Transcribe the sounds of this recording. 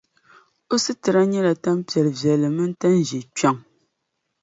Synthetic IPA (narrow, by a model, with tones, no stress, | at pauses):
o˦sɨ˦tɨ˨ɾa˦ɲɛ˦la˨ta˦m˦pjɛ˨ɾvjɛ˨lɨ˨mɨ˦n̩˦ta˦n̩˦˨d͡ʒi˨t͡ʃa˦ŋ